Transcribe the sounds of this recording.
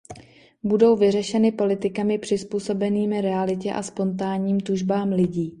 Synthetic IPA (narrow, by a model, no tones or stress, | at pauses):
budo̞wvɪrɛʃɛnɪpo̞lɪt̪ɪkamɪpr̝̥ɪspuːso̞bɛniːmɪɾɛalɪcɛʔa̰spo̞nt̪̬aːɲiːmt̪uʒbaːmlɪɟiː